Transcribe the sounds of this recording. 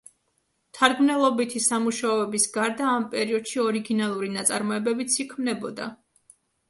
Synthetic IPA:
t̪ʰaɾɡmnɛlˠɔbit̪ʰisamuʃaɔvɛbisɡaɾd̪aːmpʼɛɾiɔd̪̥ʃiɔɾiɡinalˠuɾinat̪sʼa̰ɾmɔɛbɛbit̪sʰikʰmnɛbɔd̪a̰

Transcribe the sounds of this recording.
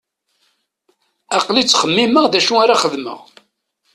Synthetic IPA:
ɑqlit͡sːχəmːiməʁðæʃuaɾaχəðmə̰ʁ

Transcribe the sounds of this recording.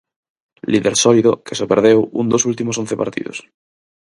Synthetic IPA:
liðeɾsɔliðokesopeɾðewṵnd̪osult̪imosonθepa̰ɾt̪ḭðo̰s

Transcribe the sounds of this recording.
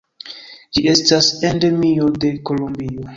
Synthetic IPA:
d͡ʒie̞stasendemiode̞kolombio

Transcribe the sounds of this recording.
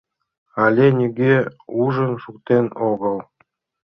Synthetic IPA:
alʲenʲiɡʲeuʒənʃuk̚t̪enoɣəlˠ

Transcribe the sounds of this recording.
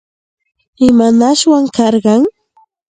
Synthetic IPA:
ɪmanaʃwaŋkɑɾɢɑŋ

